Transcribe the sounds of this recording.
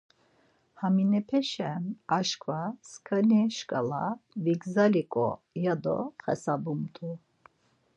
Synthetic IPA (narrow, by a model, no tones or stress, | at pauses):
haminɛpʰɛʃɛnaʃkʰvaskʰəniʃkʼa̰la̰viɡzalikʼɔ̰ | jad̪ɔ̰χɛ̰sabumt̪ʰʼu